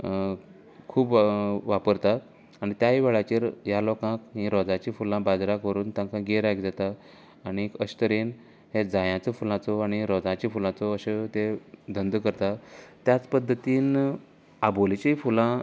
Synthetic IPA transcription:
kʰuːbʋapəɾt̪a | aɽ̃it̪jaɦiʋeɭat͡ɕiːɾjalɔkãkɦĩɾɔd͡zãt͡ɕiːfulãbad͡zɾakʋəɾuːnt̪ãŋkãɡeɾaɡd͡zat̪aː | ɽ̃ikəɕt̪əɾiːn | ɦed͡zajãt͡sɔfulãt͡sɔaɽ̃iɾɔd͡zãt͡ɕifulãt͡sɔəɕet̪ed̪ʱənd̪kəɾt̪at̪jat͡spəd̪ʱːət̪iːn | abolit͡ɕifulã

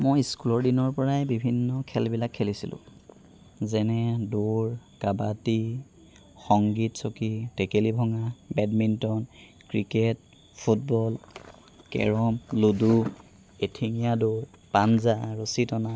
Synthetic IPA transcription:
mojskulɔɹdinɔɹpɔɹajbibʱinːɔkʰɛlbilakʰːelisilʊ̰̃ | zɛnɛdoɹkabati | xɔŋɡitsokitekelibʱɔŋabɛdmintɔn | kɹiket̚ | pʰut̚bɔl | kɛ̰ɹɔmludu | etʰiŋijadoɹ | panzaɹositɔna

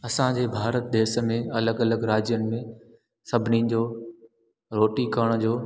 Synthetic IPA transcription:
ɐsãd͡ʑeːbʱaːɾət̪̚d̪eːsmẽɐləɡɐləɡɾaːd͡ʑijənɪ̆mẽ | sɐbʱɪnid͡ʑoː | ɾoːʈikəɽ̃d͡ʑoː

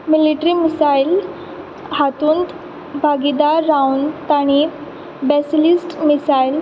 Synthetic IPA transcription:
miliʈɾiːmisail | hat̪uːnt̪ | bʱaɡid̪aɾːaunt̪aɽ̃i | bɛslisʈmisail

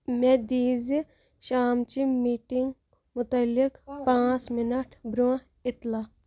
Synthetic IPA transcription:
med̪iːzi | ʃaːmt͡ʃimiːʈiŋɡ | mʊt̪ɐlːikpãːt͡smɪnɐʈʰbɾũ | ɪt̪laː

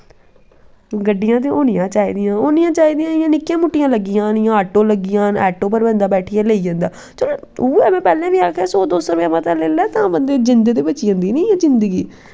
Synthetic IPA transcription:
ɡəɖːɪjãːt̪̬eːoːnɪjãːt͡ʃaːiːd̪ɪjãːoːnɪjãːt͡ʃaːiːd̪ɪjãːɪjãːnɪkːjãːmʊʈːɪjãːləɡɪjãːnɪjãːaːʈõːləɡɪjãːɛːʈõːpəɾbɛ̃ːnd̪aːbɛːʈʰɪjaːleːiːd͡ʒãːnd̪aː | t͡ʃəloːoːɛːmɛ̃ːpɛːlẽːʋiːaːkʰɛːsoːd̪oːsɾʋeaːmət̪ɛːleːlɛːt̪ãːbənd̪eːzɪnd̪ed̪eːbət͡ʃid͡ʒãːnd̪iːnĩːɛ̃ːzɪnd̪əɡiː

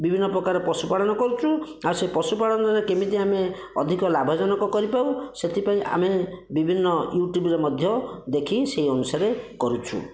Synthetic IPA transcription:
bibʱinːɔpɾɔkaɾepɾɔsupaɽɔnɔkɔɾut͡ʃʰuaɾsepɾɔsupaɽɔnɔɾekemit̪iame | ɔ̰d̪ʱikɔlabʱɔd͡ʒɔnɔkɔkɔɾipawset̪ʰipaĩʔa̰mebibʱinːɔjuʈjubɾemɔd̪ʱjɔd̪ekʰiseɦiɔnusaɾekɔɾut͡ʃʰṵ

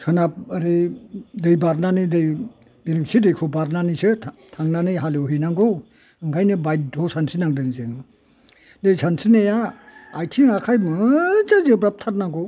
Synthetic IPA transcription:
sʰɯnap̚aɾedɯjbaɾnanɯdɯj | biɾɯŋsidɯjkʰobaɾnanisɯtʰaŋnanɯjɦalewɦinaŋɡo | ɯŋɡʰajnɯbajt̚dʱosansinaŋdɯnzɯŋ | dɯjsansinejaːjtʰiŋakʰajmɯd͡ʒazɯbɾap̚tʰaɾnaŋɡo

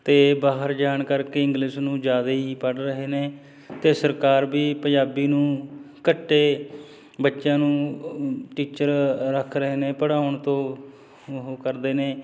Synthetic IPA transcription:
t̪eːbaːɦəɾd͡ʒaːɳkəɾkeːɪŋɡlɪʃnũːd͡ʒjaːd̪eːɦiːpəɽɾəɦeːneː | t̪eːsəɾkaːɾbiːpəɲd͡ʒaːbiːnũː | kəʈːeː | bətːʃjãːnũː | ʈiːt͡ʃəɾɾəkʰɾəɦeːneːpəɽaːʊɳt̪õː | ɦoːkəɾd̪eːneː

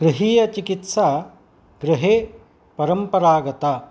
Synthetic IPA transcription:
ɡ̥ɾɪɦiːjɐt͡ʃikit̪sa | ɡɾiɦeː | pɐɾɐmpɐɾaːɡɐt̪a

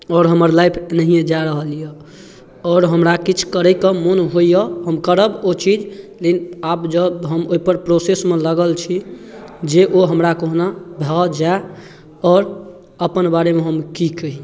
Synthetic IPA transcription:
ɔːɾɦəməɾlajpʰnəɦijed͡ʒaɾəɦəlijə | ɔːɾɦəmɾakit͡ʃʰkəɾəkɔmonɦoijəɦəmkəɾəbot͡ʃid͡ʒlekinabd͡ʒəbɦəmoɦipəɾpɾosesmẽləɡəlt͡ʃʰi | d͡ʒeʔoɦəmɾakoɦnabʱad͡ʒae | ɔːɾ | əpənbaɾemeɦəmkikəɦi

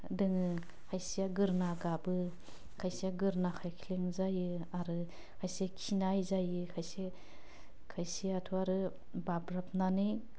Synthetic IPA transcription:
dɯŋɯ | hʰajsijaɡɯɾnaɡabɯ | kʰajsiaɡɯɾnakʰajkʰileŋzajɯaɾɯ | kʰajsekʰinajzajɯkʰajse | kʰajsiatʰuaɾɯ | babɾap̚nanɯ

